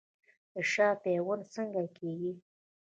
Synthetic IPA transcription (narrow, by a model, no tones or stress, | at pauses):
d̪̥əʃɑpewənsəŋɡakʰeɡi